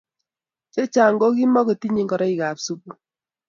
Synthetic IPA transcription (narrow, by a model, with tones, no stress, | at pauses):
t͡ʃe˦t͡ʃa˨ŋ˦ɡo˦ki˦mɔ˦ke˨ti˦ɲi˦ŋɡɔ˨ɾɔ˦i˨ka˨psu˦bu˨